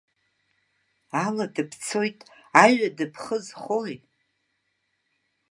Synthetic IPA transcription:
aladɨpʰt͡sʰojtʼaɥadɨpʰχəzχoj

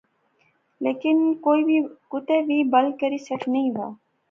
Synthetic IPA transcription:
leːkɪnkoːibʱikʊt̪ebiːbəlkəɾisəʈʰnəĩʋa̰ː

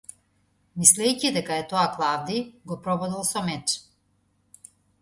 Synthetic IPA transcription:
mislɛjcid̪ɛkaɛt̪ɔaklˠavd̪iɡɔpɾɔbɔd̪ɛlˠsɔmɛt͡ʃ

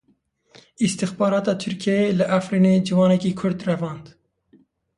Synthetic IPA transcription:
ist̪ɪxbɑːɾɑːt̪ɑːt̪ʰyɾkʰiɛelɨʔæfɾiːneːd͡ʒivɑːnɛkiːkʰʊɾd̪rɛvɑːnd̪

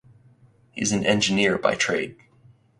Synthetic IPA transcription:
hḭɨzɨ̃n̩ɛ̃nd͡ʒɨnɪɹba̰ɪtʰɹ̥eɪd̥̚

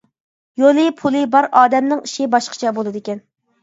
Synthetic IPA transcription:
jolˠɨpʰulˠɨbɑɾɑːd̪ɛmnɨŋiʃibɑʃqʰə̥t͡ʃʰɛbolˠɨd̪ɪkʲɛn

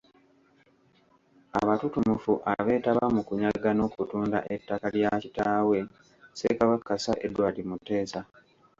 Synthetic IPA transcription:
a̰βatutumufuʔaβe̞ːtaβamukuɲaɡano̞ːkutuːnda̰ʔetːakaljacitaːwe̞ | se̞̰kaβakːasa̰ʔedwaːlimutːe̞ːsa

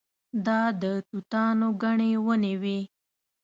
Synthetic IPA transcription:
d̪ɑd̪ət̪ut̪ɑnoɡaɳewənewe

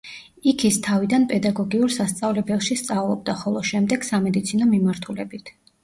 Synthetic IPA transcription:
ikʰist̪ʰavid̪anpʼɛd̪aɡɔɡiuɾsast̪sʼavlɛbɛlˠʃist̪sʼavlˠɔb̚d̪aχɔlˠɔʃɛmd̪ɛɡ̥samɛd̪it̪sʰinɔmimaɾt̪ʰulɛbit̪ʰ

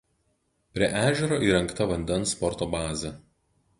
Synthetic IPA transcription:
pʲɾʲiɛʔæːʒʲɛɾoːʔiːɾɐŋkt̪ɐʋɐnʲd̪ʲɛnˑspɔɾt̪oːbɑːzʲɛ

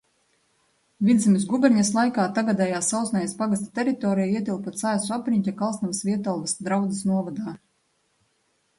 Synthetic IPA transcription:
vid̪zimisɡubʲɛɾɲaslˠajkaːt̪aɡad̪ɛjaːsawt̪snajaspaɡast̪ḁt̪ʲɛɾit̪ɔːɾijaiɛt̪ʲilˠpat̪saːsuapɾʲiɲʲcʲakalˠsnamsviɛt̪alˠvasd̪ɾawd̪zɨsnuɔvad̪aː

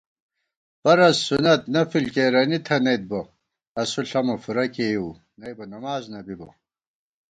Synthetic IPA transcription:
pɐɾɐsːunɐt̪nɐfilkeːɾɐnit̪ʰɐnɐjt̪̚bo | ɐsuɬɐmɐfuɾɐkeju | nɐjbɐnɐmaːznɐbibo̰

